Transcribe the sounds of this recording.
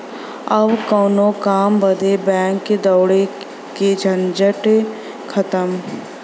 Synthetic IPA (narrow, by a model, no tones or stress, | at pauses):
ɐbkɔːnõkaːmbəd̪ebɛ̃ːŋkːed̪ɐwɽe | ked͡ʒʱɐ̃nd͡ʒəʈ | kʰɐt̪əm